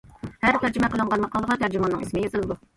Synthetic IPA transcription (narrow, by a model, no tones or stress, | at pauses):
hæɾt̪ʰæɾd͡ʒymɛqəlˠəɴʁɑnmɑqʰɑlˠəʁɑnt̪ʰæɾd͡ʒymɑnːɨ̰ŋismɪjɑzɨlˠɨd̪u